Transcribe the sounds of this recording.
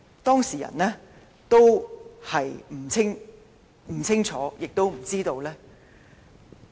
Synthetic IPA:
t̪ɔː˥ŋsiː˨˩jɐ̰˨˩nlɛː˥ | t̪o˥whɐ˨jm̩˨˩t͡sʰɪ˥ŋ | m̩˨˩t͡sʰɪ˥ŋt͡ʃʰɔː˨˥jɪ˨k̚t̪o˥wm̩˨˩t͡siː˥t̪o˧wlɛː˥

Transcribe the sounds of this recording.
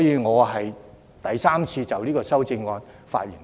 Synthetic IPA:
jiː˨˧ŋɔː˨˧ɦɐ˨j | t̪ɐ˨˩jsaː˥mt͡sʰiː˧t͡sɐ˨˩wliː˥kɔː˧sɐ˥wt͡sɪ˧ŋːɔː˧n | fa̰ː˧t̚ji˨˩n

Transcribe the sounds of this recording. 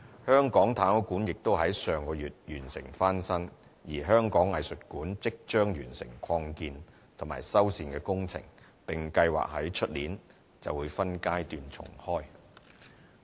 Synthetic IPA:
hœː˥ŋkɔː˨˥ŋt̪ʰaː˨˥n˨˧kuː˨˥njɪ˨k̚t̪o˥wɦɐ˨˥jsœː˨ŋkɔː˧jyː˨t̚jyː˨˩nsɪ̰˨˩ŋfaː˥nsɐ˥n | jiː˨˩ɦœː˥ŋkɔː˨˥ŋɐ˨jsɵ˨t̚kuː˨˥nt͡sɪ˥k̚t͡ʃœː˥ŋjyː˨˩nsɪ̰˨˩ŋkʰɔː˧ŋkiː˧n | t̪ʰʊ˨˩ma̰ː˨˩jsɐ˥wsiː˧nkɛː˧kʊ˥ŋt͡sʰɪ̰˨˩ŋ | pɪ˨ŋkɐ˧jwa̰ː˨k̚hɐ˨˥jt͡ʃʰɵ˥t̚liː˨˥n | t͡sɐ̰˨wuː˨˧jfɐ˥nkaː˥jt̪yː˧nt͡sʰʊ̰˨˩ŋhɔː˥j

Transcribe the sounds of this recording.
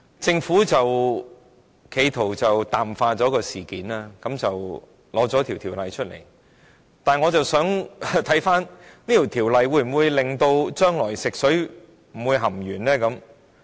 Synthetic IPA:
t͡sɪ˧ŋfuː˨˥t͡sɐ˨w | kʰe˨˧jt̪ʰo˨˩wt͡sɐ˨wt̪aː˨˩mfaː˧t͡sɔː˨˥kɔː˧siː˨˩kiː˨˥naː˥kɐ˨˥mt͡sɐ˨w | lɔː˨˥t͡sɔː˨˥t̪ʰi˨wt̪ʰiː˨˩wlɐ˨˧jt͡ʃʰɵ˥t̚lḛ˨˩j | t̪aː˨˩nŋɔː˨˧t͡sɐ˨wsœː˨˥ŋt̪ʰɐ˨˥jfaː˥nniː˥t̪ʰi˨˩wt̪ʰiː˨˩wlɐ˨˧jwuː˧jm̩˨˩wuː˨˧jlɪ˨ŋt̪o˧wt͡ʃœː˥ŋlɔː˨˩jsɪ˨k̚sɵ˨˥ | m̩˨˩wuː˨˧jɦɐ˨˩mjyː˨˩nlɛː˥kɐ˨˧˥m

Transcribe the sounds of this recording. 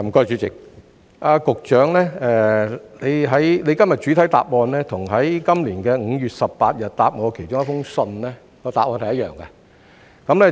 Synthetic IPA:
m̩˨˩kɔː˥˧˥t͡ʃyː˨˥t͡sɪ˨k̚ | ʔaː˧kʊ˨k̚t͡ʃœː˨˥ŋlɛː˥ɛː˧le˨˧jɦɐ˨˥jne˨˧jkɐ˥mjɐ˨˩t̚t͡ʃyː˨˥t̪ʰɐ˨˥jt̪a̰ː˨p̚ɔː˧nlɛː˥t̪ʰʊ˨˩ŋɦɐ˨˥jkɐ˥mliː˨˩nkɛː˧ŋ̩˨˧ɥyː˨t̚sɐ˨p̚paː˧t̚jɐ˨t̚t̪aː˨p̚ŋɔː˨˧kʰe˨˩jt͡ʃʊ˥ŋjɐ˥fʊ˥ŋsɵ˧nlɛː˥ | kɔː˧t̪aː˨p̚ʔɔː˧nhɐ˨jɐ˥t̚jœː˨ŋkɛ˧ | kɐ˨˧˥mlɛː˥

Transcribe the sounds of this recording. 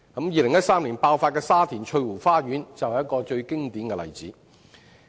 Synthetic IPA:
kɐ˨˥mjiː˨˧lɪ˨ŋjɐ˥t̚saː˥mliː˨˩npaː˧wfaː˧tkɛː˧saː˥t̪ʰiː˨˩nt͡ʃʰɵ˧ɥwuː˨˩faː˥ɥyː˨˥nt͡sɐ˨whɐ˩jɐ˥tkɔː˧t͡ʃɵ˧ɥkɪ˥ŋt̪iː˨˥nkɛ˧lɐ̰˨˩jt͡siː˨˥

